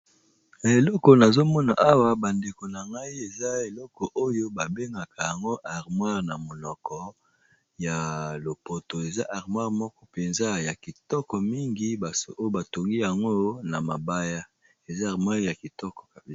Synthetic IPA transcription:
e˨lɔ˦ko˨na˨zo˦mɔ˦na̰˨ʔa˦wa˦ba˨nde˨ko˨na˨ŋɡa˦i˦e˨za˦e˨lɔ˦kɔ˨ʔo˦jo˦ba˨be˦ŋɡa˨ka˨ja˨ŋɡo˦ʔa˨ʁmwa˦ʁna˨mo˨nɔ˨kɔ˦ | ja˨lo˨po˨to˨e˨za˦ʔa˨ʁmwa˦ʁmɔ˦kɔ˦pe˨nza˦ja˨ki˨tɔ˦kɔ˨mi˦ŋɡi˦ba˨so̰˨ʔo˦jo˦ba˨to˨ŋɡi˦ja˨ŋɡo˦na˨ma˨ba˦ja˦ | e˨za˦˨ʁmwa˦ʁja˨ki˨tɔ˦kɔ̥˨

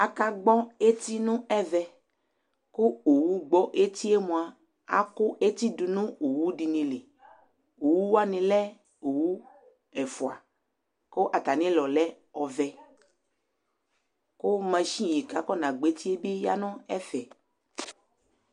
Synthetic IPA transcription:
a˨ka˦ɡ͡bɔ˦e˦t̪i˦nũ˦ɛ˦vɛ˨ | kʊ˦o˨wu˦ɡ͡bɔ˦ʔe˦t̪i˦e˦mũ˨a˨ | a̰˦kʊ˦ʔe˦t̪i˦du˨nũ˦o˨wu˦di˨nĩ˨le˨ | o˨wu˦wa˦nĩ˨lɛ˦ | o˨wu˦ | ɛ˨fu˨a̰˨ | ko˦ʔa˨t̪a˨nĩ˦lɔ˨lɛ˦ | ɔ˨vɛ˨ | ko˦mɛ̃˨ʃĩ˦ji˨ka˨˦kɔ˦nã˨ɡ͡be˨˦t̪i˦e˦be˦ja̰˦nɔ̃˦ɛ˦fɛ˨

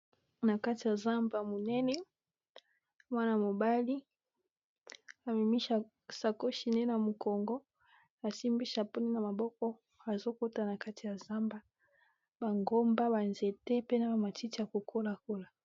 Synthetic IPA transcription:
na˨ka˦ti˨ja˨za˦mba˨mo˨nɛ˦nɛ˦ | mwa˦na˨mo˨ba˦li˦ | a˨mi˨mi˦ʃa˨ | sa˨ko˦ʃi˨ne˦na˨mo˨kɔ˨ŋɡɔ˦ | a˨si˦mbi˦ʃa˨pu˦ne˦na˨ma˨bɔ˦kɔ˦ | a˨zo˦ko˦ta˨na˨ka˦ti˨ja˨za˦mba˨ | ba˨ŋɡo˦mba˦ba˨nze˨te˦pe˦na˦ba˨ma˨ti˦ti˨ja˨ko˨kʰo˦la˨ko˦la˨

